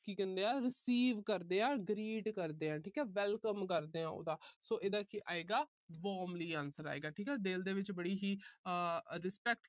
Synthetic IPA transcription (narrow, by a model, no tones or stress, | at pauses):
kiːkə̃nd̪eːãːɾɪsiːʋkəɾd̪eːãːɡɾiːɖkəɾd̪eːãːʈʰiːkɛːʋɛːlkəmkəɾd̪eːãːo̰ːd̪aːsoːʔeːd̪aːkiːʔa̰ːeːɡaː | bɔːmliːaːnsəɾa̰ːḛːɡaːʈʰiːkɛːd̪eld̪eːʋɪt͡ʃbəɽiːɦiː | ɾɪspɛk̚ʈ